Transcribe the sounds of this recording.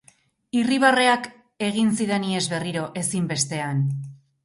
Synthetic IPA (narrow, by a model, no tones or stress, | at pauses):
iriβ̞are̞ak | e̞ɣ̞insiðenie̞zβe̞riɾo̞ʔe̞simbe̞st̪e̞an